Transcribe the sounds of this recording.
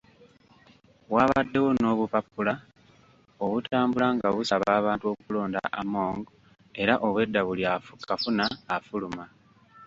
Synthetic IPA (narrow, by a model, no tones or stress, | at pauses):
waːβadːe̞wo̞no̞ːβupapːula | o̞βutʰaːmbulaŋɡaβusaβaːβaːntuo̞kulo̞ːnda̰ʔamo̞ːŋɡo | e̞ɾaʔo̞βwe̞dːaβuliakafunaːfuluma